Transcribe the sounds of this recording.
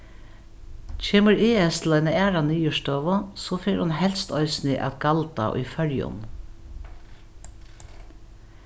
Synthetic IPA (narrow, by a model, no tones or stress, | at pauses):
t͡ʃʰeːməɹɪːɛst̪lœjnəæːɾanyːjʏʃt̪ɔːʋəsɔfɪkhʊnɦɛlst̪ɔʏsnɪʔa̰t̪ɡɑlt̪a̰ʔṵfœɹjʊ̰n